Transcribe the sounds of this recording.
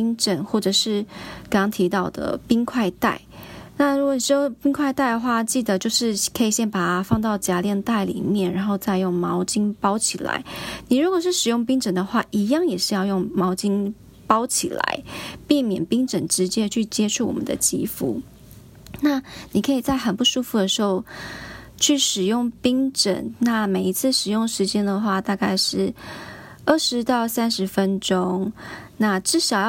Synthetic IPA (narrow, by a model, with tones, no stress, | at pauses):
i˥ŋʈ͡ʂə˨˩nxwɔ˥˩ʈ͡ʂɤ˨˩ʂɻ̩˥˩kɑ˥ŋkɑ˥ŋt̪ʰi˧˥t̪ɑ˥˩ʊd̪ə̰˩pi˥ŋkʰwa˥˧ɪt̪a˥˩ɪna˥˩ɻu˧˥kwɔ˨ni˨˩ʂɻ̩˧˩jo˥˩pi˥ŋkʰwa˥˧ɪt̪a˥˩ɪd̪ə˩xwa˥˧t͡ɕi˥˩d̪ə˩t͡ɕjo˥˧ʊʂɻ̩˥˧kʰə˧˥i˨˩ɕjɛ˥˩npa˨˩a˥fɑ˥˧ŋt̪ɑ˥˩ʊt͡ɕja˧˥ljɛ˥˧nt̪a˥˩ɪlḭ˨˩mjɛ˥˩nɻa˧˥nxo˥˧ʊt͡sa˥˧ɪjo˥˩ŋmɑ˧˥ʊt͡ɕi˥ŋpɑ˥ʊt͡ɕʰi˨˩la̰˧˥ɪni˨˩ɻu˧˥kwɔ˨˩ʂɻ̩˥˩ʂɻ̩˨˩jʊ˥˩ŋpi˥ŋʈ͡ʂə˨˩nd̪ə˩xwa˥˩ʔi˧˥jɑ˥˩ŋjɛ˨˩ʂɻ̩˥˧jɑ˥˧ʊjʊ˥˩ŋmɑ˧˥ʊt͡ɕi˥ŋ | pɑ˥ʊt͡ɕʰi˨˩la̰˧˥˦ɪpi˥˩mjɛ̰˨˩npi˥ŋʈ͡ʂə˨˩nʈ͡ʂɻ̩˧˥t͡ɕjɛ˥t͡ɕʰy˥˩t͡ɕjɛ˥ʈ͡ʂʰu˥˩wɔ̰˨˩mə̰˦nd̪ə̰˧˦t͡ɕḭ˥fṵ˥˩ | na˥˩ni˨˩kʰə˧˥i˨˩t͡sa˥˩ɪxə˨˩npu˥˩ʂu˥fu˧˩d̪ə˩ʂɻ̩˧˥xo˥˧˩ʊ | t͡ɕʰy˥˩ʂɻ̩˨˩jʊ˥˩ŋpi˥ŋʈ͡ʂə̰˨˩˦nna˥˩me˨˩ɪi˧˥t͡sʰɹ̩˥˩ʂɻ̩˨˩jʊ˥˩ŋʂɻ̩˧˥t͡ɕjɛ˥nd̪ə˨xwa˥˧t̪a˥˧ka˥˧ɪʂɻ̩˥˩ | ə˥˩ʂɻ̩˧˥t̪ɑ˥˩ʊsa˥nʂɻ̩˧˥fə˦˥nʈ͡ʂʊ˥ŋna˥˩ʈ͡ʂɻ̩˥˩ʂɑ˨˩ʊ